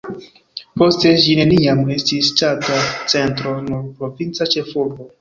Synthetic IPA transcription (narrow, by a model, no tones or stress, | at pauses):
po̞ste̞ʃine̞niame̞stisːtatat͡se̞ntɾo̞nuɾpɾo̞vint͡sat͡ʃe̞folo